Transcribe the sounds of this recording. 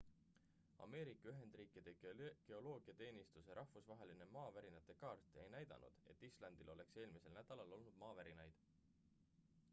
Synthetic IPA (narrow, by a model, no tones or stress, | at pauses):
ɑ̰me̞ːɾikːˑɑyɦe̞nd̪riːkid̪̥e̞ke̞o̞lo̞ːɡiɑt̪e̞ːnist̪useɾʔɑhvusvɑɦe̞line̞mɑːvæɾinɑt̪ːˑe̞kɑːrt̪ˑe̞jnæjd̪ɑ̰nʔṵd̪̥e̞̰t̪ːislɑnd̪̥ilo̞le̞kse̞ːlmise̞lnæd̪̥ɑlɑlo̞lnud̪̥mɑːvæɾinɑjd̪̥